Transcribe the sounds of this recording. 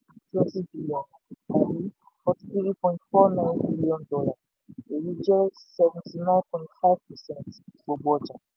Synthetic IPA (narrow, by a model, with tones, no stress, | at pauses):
tɛ˦ti˦bi˦liɔ̃˨n | a˨ji˦ | fɔ˨ti̥θi˦ɾi˦pɔ̃˨ĩntfɔ˦nã˦j̃nbi˦liɔ̃˦ndɔ˦la˨ | e˨ji˦d͡ʒɛ˦sɛvɛ̃˨ntʰi˨nã˦npʰɔ̃˨ĩntfa˦ɪvpɛ˨sɛ̃˦ntso˨bɔ˦d͡ʒa˨